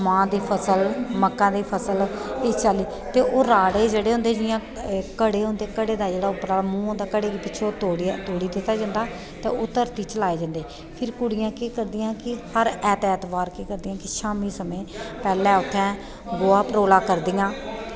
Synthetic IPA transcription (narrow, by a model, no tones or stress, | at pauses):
mãːd̪iːpʰəsəlməkːãːd̪iːpʰəsəleːt͡ʃaːliː | t̪eːʔoːɾaːɽeːd͡ʒeːɽeːɦʊ̃nd̪eːd͡ʒɪjãː | kəɽeːɦʊ̃nd̪eːkəɽeːd̪aːd͡ʒeːɽaːʊpɾaːmũːd̪aːkəɽeːkipɪt͡ʃʰoːt̪oːɽt̪oːɽiːd̪ɪt̪ːaːd͡ʒãːnd̪aː | t̪ḛːot̪əɾt̪iːt͡ʃəlaːeːd͡ʒãːnd̪eː | pʰɪɾkʊɽɪjãːkiːkəɾd̪ɪjãːkɪhəɾɛːt̪ɛːt̪ʋaːɾkiːkəɾd̪ɪjãːkɪʃaːmiːsəmẽːpɛːlɛ̃ːʊt̪ʰːɛ̃ː | ɡoːaːpəɾoːlaːkəɾd̪ɪːãː